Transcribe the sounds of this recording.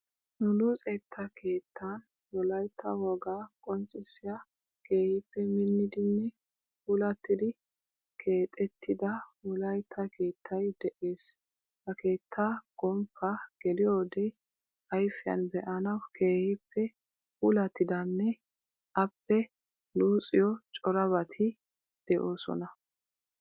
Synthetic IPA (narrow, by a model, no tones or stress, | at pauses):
nʊluːt͡sʼeːt̪ʰːɐkʰe̞ːt̪ʰːɐn | wɔlɐjt̪ʰːɐwɔɡaːkʼɔnt͡ʃʼːɪsɪjɐ | kʰe̞ːhɪpːɛmɪnːɪd̪ɪnːɛ | puːlɐt̪ːɪd̪ɪ | kʰe̞ːt̪ʼɛt̪ːɪd̪ɐwɔlɐjt̪ʰːɐkʰe̞ːt̪ʰːɐjd̪ɛʔe̞ːs | bɐkʰe̞ːt̪ʰːaɡ̥ɔmpʰːɐɡ̥ɛlɪjoːd̪ɛ | ʔɐjfɪjɐ̰nbɛʔɐnɐwkʰe̞ːhɪpʰːɛ | puːlɐt̪ːɪd̪ɐnːɛ | ʔɐpːɛ | luːt͡sʼɪjɔt͡ʃʼɔɾɐβɐt̪ʰɪ | d̪̥ɛʔo̞ːsɔ̰nɐ